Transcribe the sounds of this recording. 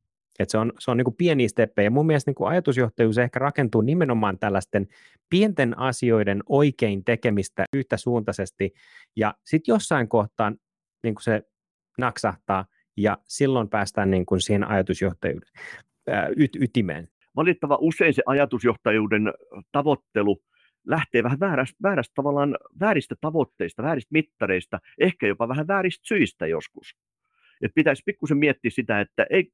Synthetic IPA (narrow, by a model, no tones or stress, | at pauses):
et̪seonseoniːŋkupieniːst̪epːeijɑmumːielest̪niːŋkuɑ̰jɑt̪usjoht̪ɑjuːsehkærɑkent̪uːnimenomɑːnt̪ælːæst̪en | pient̪enʔɑsio̞idenoikeint̪ekemist̪æ̰ʔyht̪æsuːnt̪ɑsest̪i | jɑsit̪josːɑiŋkoht̪ɑːn | niːŋku̥se | nɑksɑht̪ɑː | jɑsilːompæːst̪æːnniːŋkunsihenʔɑ̰jɑt̪usjoht̪ɑjṵːde̥n̰ | yt̪yt̪imḛːn | ʋɑlit̪ːɑʋɑʔusːˑeinseʔɑjɑt̪usjoht̪ɑjuːdent̪ɑʋot̪ːelu | læht̪eːʋæhæʋæːɾæst̪ʋæːɾæst̪t̪ɑʋɑlːˑɑːnʋæːrist̪æt̪ɑʋot̪ːeist̪ɑʋæːɾist̪̚mit̪ːɑreist̪ɑehkæjopɑʋæhæʋæːɾist̪syist̪æ̰jo̰skus | et̪̚pit̪æsʲpikːusemmiet̪ːiːssit̪æet̪ːæʔei